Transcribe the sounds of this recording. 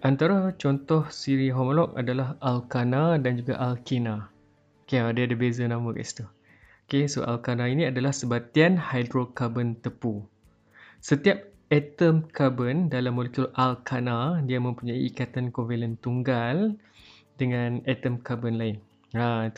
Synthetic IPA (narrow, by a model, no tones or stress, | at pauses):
ʔant̪aɾat͡ʃɔnt̪ɔhsiɾiɦɔmɔlɔk̚a̰dalaɦalkanadand͡ʒuɡa̰ʔalkina | okeadiadəbezanãməɡa̰ʔst̪u | okeso̰ʔa̰lkanainĩadalahsəbat̪ianhajdɾokabənt̪əpu | sət̪iap̚ | ɛt̪əmkʰabəndalamːolekjulʔalkʰanadiamə̃mpuɲãḭːkat̪ankɔnvelənt̪uŋɡal | dəŋãnɛt̪əmkabənlaɪn | at̪